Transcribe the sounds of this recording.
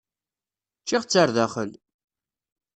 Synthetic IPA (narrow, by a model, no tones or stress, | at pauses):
t͡ʃːiʁt͡sːaɾðæχəl